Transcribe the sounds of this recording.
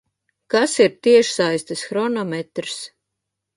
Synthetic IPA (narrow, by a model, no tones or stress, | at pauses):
kasiɾt̪iɛʃsajst̪ɨsxɾɔnɔmɛt̪ɾs